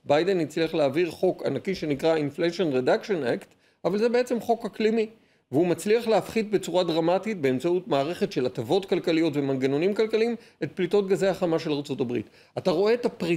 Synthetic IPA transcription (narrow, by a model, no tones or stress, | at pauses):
bajde̞nit͡sliaχleaviʁχo̞ka̰nakiʃe̞nikʁainfleʃo̞nʁedakʃonakt | avalze̞be̞et͡se̞mχo̞kaklimi | veumat͡sliaχleafχid̪̚be̞t͡suʁadʁamatit̚be̞ːmt͡sautmaːʁe̞χe̞tʃe̞latavo̞tkalkalijo̞tve̞manɡeno̞nimkalkalim | e̞t̚plito̞t̚ɡazeaχamaʃe̞laʁt͡so̞tabʁḭt | ataʁo̞e̞ːtapʁi